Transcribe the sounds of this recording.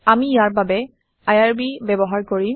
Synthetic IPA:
amijaɹbabɛ | ajaɹbibɛbɔɦaɹkoɹi

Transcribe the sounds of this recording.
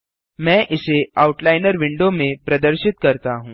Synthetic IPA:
mɛ̃ʔɪseauʈlajnəɾʋɪɳɖomẽpɾɐd̪əɾɕit̪̚kəɾt̪aɦũː

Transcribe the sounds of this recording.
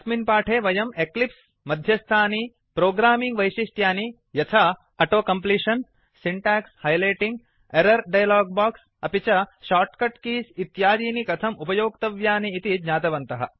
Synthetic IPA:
sminpaːʈʰeːʋɐjɐmeklips | mɐd̪ʱjɐst̪ʰaːni | pɾoːɡɾaːmiŋɡʋɐjʃiʂʈjaːni | jɐt̪ʰɐ | ɐʈoːkɐmpliːʂɐn | siɳʈɛːkshɐjlɐjʈiŋɡ | eɾɐɾɖɐjɐlaːɡ̚baːks | ɐpit͡ʃɐʃaːʈkɐʈkiːsit̪jaːd͡ʒ̪iːnikɐt̪ʰɐmupɐjoːkt̪ɐʋjaːniːt̪id͡ʒɲaːt̪ɐʋɐnt̪ɐɦɐ

